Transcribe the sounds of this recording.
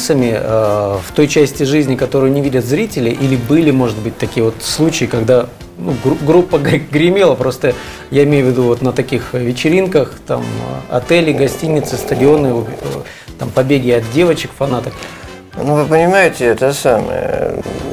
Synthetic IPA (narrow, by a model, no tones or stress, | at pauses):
səmʲɪəft̪o̞jt͡ɕæsʲtʲɪʐɨzʲnʲɪkɐt̪o̞ɾʊjʊnʲɪvʲidʲət̪zɾʲitʲɪlʲɪʔilʲɪbɨlʲɪmo̞ʐɨt̪̚bɨtʲt̪ɐkʲijəvo̞t̪slˠut͡ɕɪjɪkɐɡd̪a | nuɡuɡɾupːəɡɡɾʲɪmʲelˠəpɾo̞st̪ə | jaɪmʲejʊvʲɪd̪uvo̞t̪nət̪ɐkʲixvʲɪt͡ɕɪɾʲinkəxt̪a̰mɐ̰t̪ɛlʲɪɡɐsʲtʲinʲɪt̪sɨst̪ədʲɪo̞nːɨo | t̪ampɐbʲeɡʲɪɐt̪̚dʲe̞vət͡ɕɪkfɐnat̪ək | nuvɨpənʲɪmaɪtʲɪɛt̪əsamə̰jə̰